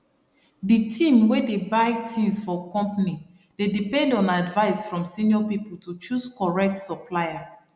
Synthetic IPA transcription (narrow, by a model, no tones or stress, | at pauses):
ditʰĩmwedebaɪtʰĩnsfɔkɔ̃mpni | d̥edipɛ̃ndɔ̃nadvaɪsfɹɔ̃msĩniɔpipultut͡ʃuskɔɹɛk̚tsɔpʰlaɪa